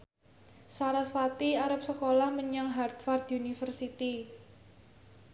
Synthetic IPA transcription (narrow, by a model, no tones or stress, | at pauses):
saɾasfat̪iaɾap̚səkolahməɲaŋɦard̪̥fard̪unifərsit̪i